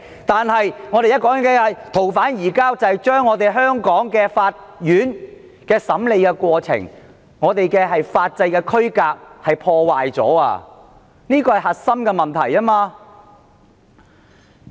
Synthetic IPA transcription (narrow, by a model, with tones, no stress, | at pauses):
t̪aː˨nhɐ˨jŋɔ˨˧t̪e˨jɐ˥t̚kɔː˨˥ŋɐ˨ŋɛ˧˨˩t̪ʰo˨˩wfaː˨˥njiː˨˩kaː˥wt͡sɐ˨hjt͡ʃœː˥ŋːɔː˨˧t̪e˨jɦœː˥ŋkɔː˨˥ŋkɛː˧faː˧t̚ | jyː˨˥n | kɛː˧sɐ˨˥mle˨˧jkɛː˧kwɔː˧t͡sʰɪ̰˨˩ŋ | ŋɔː˨˧t̪e˨jkɛː˧ɦɐ˨jfaː˧t̚t͡sɐ˧jkɛː˧kʰɵ˥ɥkaː˧k̚hɐ˨jpʰɔː˧waː˨jt͡sɔ̰ː˨˥a̰ː˧ | niː˥kɔː˧hɐ˨jhɐ˨t̚sɐ˥mkɛː˧mɐ˨nt̪ʰɐ̰˨˩jaː˥maː˧